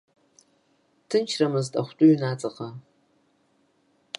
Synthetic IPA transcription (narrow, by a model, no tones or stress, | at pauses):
tʰɨnt͡ʃʰrɐmɨztʼɐ̰χʷtʼʊɥnaːt͡sʼɐqɐ